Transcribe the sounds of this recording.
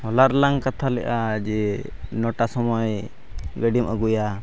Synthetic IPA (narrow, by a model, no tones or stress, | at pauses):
ɔlaɾlaŋkat̪ʰalɛ̰ʔad͡ʒɛ | nɔʈasɔmɔj | ɡəɖimʔəɡuja